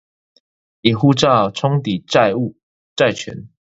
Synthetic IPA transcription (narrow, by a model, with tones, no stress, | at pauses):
i˨˩xu˥˧ʈ͡ʂa˥˨ʈ͡ʂʰɔ˦ŋt̪i˨˩˥u˨ | ʈ͡ʂa˥˨˩ɪt͡ʃʰɥɛ̰˨˦n